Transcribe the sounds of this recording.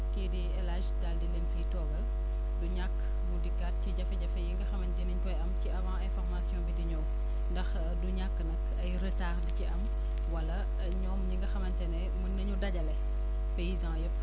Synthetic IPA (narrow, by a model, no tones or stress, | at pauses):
kediɛlaʒdaldilenfijtɔːɡɐl | duɲakː | mudikːat̚ciɟɐfɛɟɐfɐjiŋɡɐxɐmɐntɛniɲkɔjɐmciʔɐvãːɛ̃fɔʁmasjɔ̃ːbidiɲɔw | ndɐx | duɲakːənɐk | ɐjrətaːrdiciɐm | wɐlɐ | ɲɔːmɲiŋɡɐxɐmɐntɛnɛ | mənːɐɲudɐɟɐlɛ | pejizãːjəpː